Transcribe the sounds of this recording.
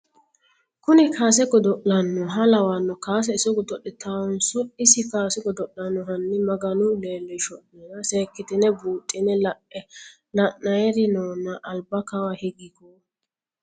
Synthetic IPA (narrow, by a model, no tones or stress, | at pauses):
kʊnɪkʰaːs̬ɛɡɔd̪ɔʔlɐnːɔɦɐlɐwɐnːɔkaːs̬ɛɪsɔɡɔd̪ɔɗːɛt̪ʰawɔnsʊɪsɪkaːsɛɡɔd̪ɔʔːɐnːɔɦɐnːɪmɐɡɐnʊleːlːɛʃɔɗːɛnɐseːkːɪt̪ɪnɛbuːt̪ʼːɪnɛl | lɐnɐjɛɾɪnɔːnːɐʔːlbɐkɐwɐhɛɡɪkɔ